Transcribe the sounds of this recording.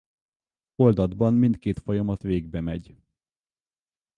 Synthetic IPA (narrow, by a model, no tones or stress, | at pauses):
o̞ld̪ɒd̪bɒnmint̪keːt̪fojɒmɒt̪ʋeːɡbɛmɛɟ